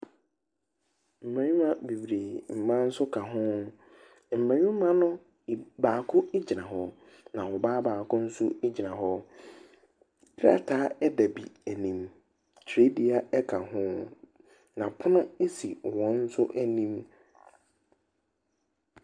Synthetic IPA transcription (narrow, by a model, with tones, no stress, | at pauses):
m̩˨mæ̃˨nĩ˦mã˦bi˨wɾe˨m̩˨mã˦n̩˦sʊ˦kʰa˨ɦʊ̃˦ | m̩˨mã˨ɲĩ˦m̩˦mã˦nʊ̃˦˨ | baː˨kʰʊ˦i˦d͡ʑi˨nã˨ɦɔ˨ | nã˨wɔ˨baː˦baː˨kʊ̃˦n̩˦sʊ˦i˦d͡ʑi˨nã˨ɦɔ˦ | dɾa̰˦tʰaː˦ɛ˦dæ˨bi˨æ˨nĩ˨m | tʰe˦di˦a˦ɛ˦kʰa˨ɦʊ̃˦ | nã˨pʰʊ˦nʊ̃˦e˦si˨wɔ̃˨n̩˦sʊ̰˦ʔæ˨nĩ˦m